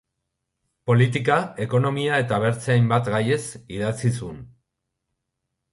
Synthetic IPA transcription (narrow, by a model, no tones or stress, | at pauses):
po̞lit̪̬ikae̞ko̞no̞miae̞t̪aβ̞e̞ɾt͡seajmbat̪ɡaje̞siðat͡sisun